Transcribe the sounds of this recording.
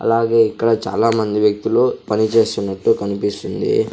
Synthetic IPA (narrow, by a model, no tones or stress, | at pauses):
ɐ̰laːɡe̞ːikːɐɽɐt͡ʃa̰ːlaːmɐnd̪iʋjɐk̚t̪uloːpɐnit͡ʃe̞ːst̪unːɐʈːukɐnipist̪und̪ḭ